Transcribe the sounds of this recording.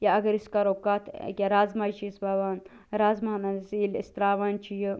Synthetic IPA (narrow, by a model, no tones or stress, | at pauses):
jaɐɡɐɾiskaɾokat̪ʰkʲaɾaːzmat͡ʃʰisbaʋaːn | ɾaːzmanɐnsilḭst̪ɾaːʋant͡ʃʰijə